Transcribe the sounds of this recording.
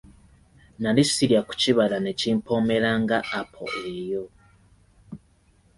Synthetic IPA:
nalisiɾjaku̥ciβalane̞ciːmpʰo̞me̞ɾaŋɡaʔːpʰo̰ʔejo̞

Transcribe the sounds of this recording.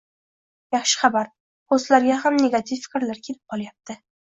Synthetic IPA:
jɑχʃɪ̥χabaɾ | qoslaɾɡʲaɦamne̞ɡat̪ʰɪfːɪ̥kʲɾlaɾkʲʰe̞lɪp̚qʰɒlˠajap̚t̪ʰɪ

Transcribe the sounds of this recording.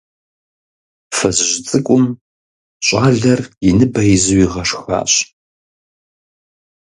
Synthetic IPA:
fɐzʑt͡sʼɨkʷʼʊm | ɕʼaːɮɐrɪnɨbɐjzɨwiʁɐʂxa̰ːɕ

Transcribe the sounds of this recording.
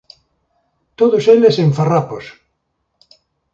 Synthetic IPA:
t̪oðoseleseɱfarapos

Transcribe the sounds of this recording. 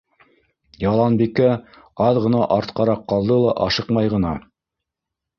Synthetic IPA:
jɑlˠɑnbikæ | ɑðʁɤ̆nɑʔɑɾt̪qɑɾɑqːɑlˠd̪ɤlˠɑʔɑʃɤqmɑjʁɤ̆nɑ

